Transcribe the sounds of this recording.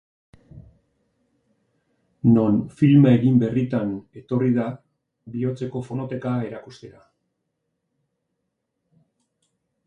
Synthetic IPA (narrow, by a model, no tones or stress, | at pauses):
no̞nfilmaeɣimbe̞rit̪ane̞t̪o̞riða | βio̞t͡se̞ko̞fo̞no̞t̪e̞kae̞ɾakust̪e̞ɾa